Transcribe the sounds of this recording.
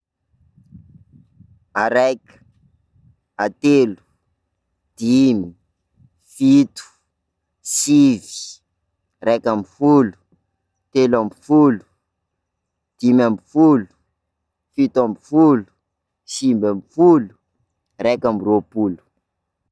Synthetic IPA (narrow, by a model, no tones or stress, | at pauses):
aɾekə̥ | at̪elu̥ | d̪̥imi | fit̪u̥ | sivi̥ | rɛkambifulu̥ | t̪elambifulu̥ | d̪̥imambifulu̥ | fit̪uambifulu̥ | simbambifulu̥ | rɛkambropulu̥